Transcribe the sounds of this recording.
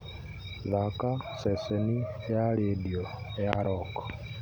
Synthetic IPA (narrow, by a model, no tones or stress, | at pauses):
ðakaseseniejaledioejaɾʔoko̥